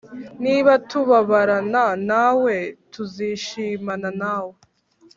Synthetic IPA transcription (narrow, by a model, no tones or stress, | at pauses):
niβatuβaβaɾananawe̞tuziʃiːmananaːwe